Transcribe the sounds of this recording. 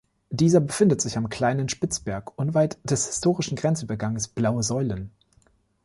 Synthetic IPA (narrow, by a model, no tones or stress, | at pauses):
d̥iːzɐbəfɪndətz̥ɪçamkl̥aɪnənʃpɪt͡sb̥ɛɐkʔʊnvaɪtd̥ɛshɪ̥stʰoːʁɪʃn̩ɡʁɛnt͡sʔyːbɐɡaŋəsb̥laʊəzɔʏlən